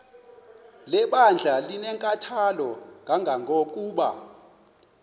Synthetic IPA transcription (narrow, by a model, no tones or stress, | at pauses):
lɛɓand͡ɮʱalinɛŋkʼatʰalɔŋɡʱaŋɡʱaŋʱok̬ʼuːɓa̰